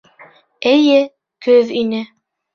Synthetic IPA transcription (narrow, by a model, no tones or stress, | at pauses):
ɘ̆jɘ | kɵðinɘ